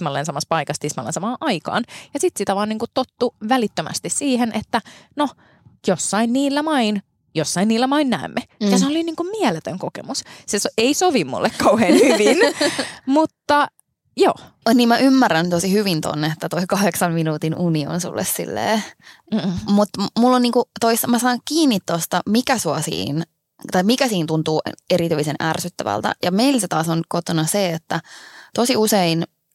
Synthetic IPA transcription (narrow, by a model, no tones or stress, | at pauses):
mɑlːensɑmɑspɑikɑst̪ismɑlːḛnsɑmɑːʔɑikɑ̰ːnjɑsit̪sit̪æʋɑːniːŋkut̪t̪ot̪ːuʋælit̪ːømæ̰st̪issiːhenʔet̪ːæno | josːɑinniːlːæmɑin | josːɑinniːlːæmɑinnæ̰ːmːejɑseoliniːŋkummiɛlet̪øŋkokḛmusseseisoʋimmṵlːekkɑuheːnhyʋinmut̪ːɑ | jo̰ː | niːmmæʔymːærænt̪osihyʋint̪o̰nːet̪ːæt̪oikɑheksɑmminuːt̪inʔunio̰nsṵlːḛssḭlːḛː | mut̪mulːonniːŋkut̪oisːɑmæsɑːŋkiːnːit̪t̪ost̪ɑmikæsuɑsḭːn | t̪ɑimikæsiːnt̪unt̪uːʔeɾit̪yisenʔærsyt̪ːæʋæ̰lt̪æ̰jɑmeilset̪ɑːsonkot̪onɑseet̪ːæt̪osiusein